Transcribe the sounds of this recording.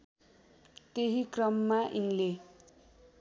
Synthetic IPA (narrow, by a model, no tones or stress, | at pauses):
t̪eɦikrʌmːaʔinle